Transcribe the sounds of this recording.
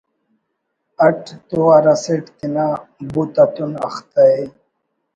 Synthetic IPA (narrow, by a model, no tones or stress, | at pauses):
ɐʈt̪uaɾaseʈt̪inabut̪at̪unɐ̰xt̪ai